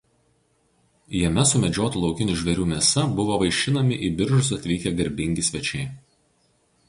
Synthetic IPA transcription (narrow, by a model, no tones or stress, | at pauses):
jɛmʲɛsʊmʲɛd͡ʒʲoːt̪uːlˠɒʊkʲɪnʲuːˑʒʲʋʲɛɾʲuːmʲiɛsɐbʊʋoːʋɐɪʃʲt͡ʃʲɪnɐmʲɪʔiːˑbʲɪɾʒʊsɐt̪ʲʋʲiːkʲɛɡɐɾʲbʲɪŋʲɡʲɪsʲʋʲɛt͡ʃʲɛɪ